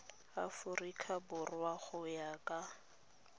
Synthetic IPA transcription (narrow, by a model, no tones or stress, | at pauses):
afʊrikʰabʊrwaχʊjakʼa